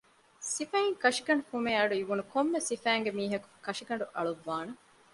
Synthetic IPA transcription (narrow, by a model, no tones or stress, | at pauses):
sifæiŋkɐʂiɡɐɳɖukumeːɐɖuiʋunukomːesifæːŋɡemiːɦɐku̥kɐʂiɡɐɳɖuʔɐɭuʋːaːnɐ